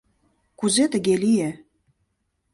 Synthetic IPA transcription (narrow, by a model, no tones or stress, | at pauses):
kuzet̪ə̆ɣelije